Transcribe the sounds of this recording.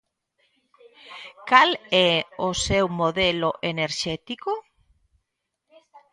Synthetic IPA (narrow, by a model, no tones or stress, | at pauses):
kalɛosewmoðeloʔeneɾʃɛt̪iko